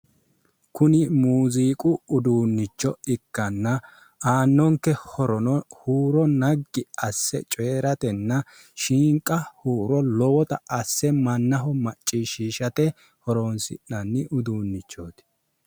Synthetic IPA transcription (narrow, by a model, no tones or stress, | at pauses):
kʊnɪmuːziːkʼʊʊd̪uːnːɪt͡ʃːɔɪkːɐnːɐ | aːnːɔŋkːɛhɔɾɔnɔhuːɾɔnɐɡːɪɐsːɛ̰t͡ʃʼe̞ːɾɐt̪ɛnːɐ | ʃiːŋkʼːɐhuːɾɔlɔwɔt̪ɐɐsːɛmɐnːɐɦɔmɐt͡ʃʼːiʃiːʃɐt̪ɛ | hɔɾonsɪ̰nːɐnːɪʔʊd̪uːnːɪt͡ʃːo̞ːt̪